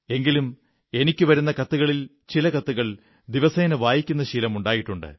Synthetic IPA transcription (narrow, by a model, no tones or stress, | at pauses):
e̞ŋɡilum | e̞nikʲːuʋɐɾunːɐkɐt̪ːuɣɐɭil | t͡ɕilɐkɐt̪ːuɣɐɭ | d̪iʋɐseːnɐʋaːjikʲːunːɐɕilɐmuɳɖaːjiʈːuɳɖɨ̰